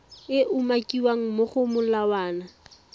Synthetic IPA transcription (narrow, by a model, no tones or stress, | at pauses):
ɪʔʊmakʼiwaŋ̩moχʊmʊlawaːna